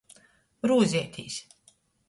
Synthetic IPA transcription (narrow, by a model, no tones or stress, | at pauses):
ɾuːzʲiɛt̪ʰʲḭːsʲ